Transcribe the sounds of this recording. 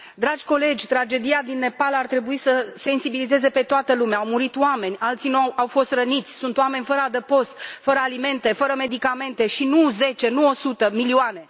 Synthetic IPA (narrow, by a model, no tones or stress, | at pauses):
d̪ɾad͡ʒʲko̞le̞d͡ʒʲt̪ɾad͡ʒe̞d̪iad̪inːe̞palart̪ɾe̞buisəse̞nsibilize̞ze̞pe̞t̪oat̪əlumeaawmuɾit̪oame̞nʲalt̪sinuawfo̞st̪rənit̪sʲsunt̪oame̞nʲfəɾad̪epo̞st̪fəɾəalime̞nt̪e̞fəɾəme̞d̪ikame̞nt̪e̞ʃinuze̞t͡ʃe̞nuo̞sut̪əmilioane̞